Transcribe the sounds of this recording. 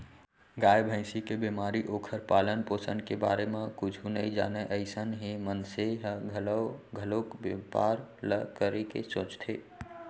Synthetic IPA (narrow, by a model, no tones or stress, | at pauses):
ɡaːjbʱə̃ɪsikebemaːɾiʔoːkʰəɾpaːlənpoːsənkeba̰ːɾemẽkʊt͡ʃʰunəĩd͡ʒa̰ːnɛʔəɪsənɦimənseɦɡʱələʊɡʱəlokbepa̰ːɾləkəɾekesõːt͡ʃt̪ʰe